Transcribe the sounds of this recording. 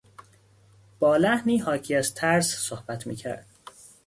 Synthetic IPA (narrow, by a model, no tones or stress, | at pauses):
b̥ɒːlæhniːɦɒːcʰiːæzt̪ʰæɾssohbæt̪ʰmḭːcʰæ̰ɾd̪̥̚